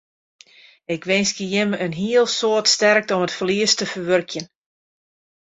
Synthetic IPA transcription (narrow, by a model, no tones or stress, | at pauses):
ɪkʋɪnskəjɪməənɦiəlˠsoətstɛrk̚tɔmətfəliəstəfərʋørkʰjən